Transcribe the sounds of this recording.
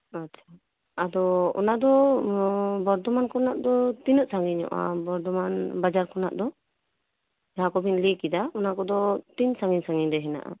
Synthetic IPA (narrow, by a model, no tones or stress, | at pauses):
att͡ʃʰaː | d̪ɔɔ̰naʔd̪ɔ | bɔɾd̪ɔmankɔnaʔd̪ɔt̪inɔʔ̪̚saŋɡiɲɔ̰ʔa̰bɔɾd̪ɔmanbad͡ʒaɾkɔna̰ʔd̪ɔ | d͡ʒakɔbʱiɲlikid̪aɔnakɔd̪ɔt̪iɲsaŋɡiɲsaŋiɲd̪ɛɦɛna̰ʔa̰